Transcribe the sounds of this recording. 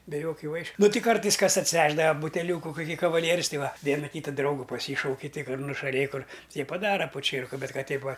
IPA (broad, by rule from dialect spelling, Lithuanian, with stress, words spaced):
bʲɛ ˈjoːkʲʊ ˈʋɐɪʃʲʊ ˈnʊ ˈtʲɪ ˈkɐrtɐɪs ˈkɐs ɐtʲsʲɪˈʋʲæːʒdɐʋɐ bʊtʲɛˈlʲuːkʊ kʊˈkʲiː kɐʋɐˈlʲiɛrʲʊs ˈtɐɪ ˈʋɐ ˈʋʲiɛnɐ ˈkʲiːtɐ ˈdrɐʊɡʊ pɐˈsʲiːʃɐʊkʲɪ tʲɪk kɐt nʊʃɐˈlʲeːj kʊr tʲiɛ pɐˈdɑːrɐ poːˈt͡ʃʲiɛrkʊ ˈbʲɛt ˈkɐt ˈtʲɛɪp ˈʋɐ